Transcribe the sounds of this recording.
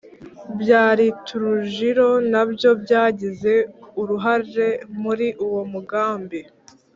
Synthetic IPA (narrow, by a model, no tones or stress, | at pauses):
bjaːɾitʰuɾuʒiɾo̞nabjo̞bɟaːɟize̞uɾuɦaɾɾe̞muɾiʔuwo̞muɡaːmbi